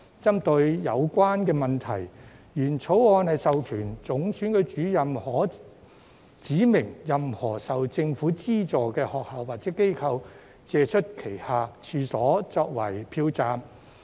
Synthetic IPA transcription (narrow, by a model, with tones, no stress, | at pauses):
t͡sɐ˥mt̪ɵ˧ɥjɐ˨˧wkʷaː˥nkɛː˧mɐ˨nt̪ʰɐ˨˩jjyː˨˩nt͡sʰo˨˥wɔː˧nhɐ˨jsɐ˨wkʰyː˨˩nt͡sʊ˨˥ŋsyː˨˥nkɵ˨˧ɥt͡ʃyː˨˥jɐ˨mhɔː˨˩ | t͡siː˨˥mɪ˨˩ŋjɐ˨mhɔː˨˩sɐ˨wt͡sɪ˧ŋfuː˨˥t͡siː˥t͡sɔː˨kɛː˧hɔː˨k̚haː˨˩wːaː˨t̚t͡sɛː˨˥ke˥jkʰɐ˧w | t͡sɛː˨˧t͡ʃʰɵ˥t̚kʰe˨˩jhaː˨˧t͡ʃʰyː˨˧sɔː˨˥t͡sɔː˧k̚wɐ˨˩jpʰiː˧wt͡saː˨m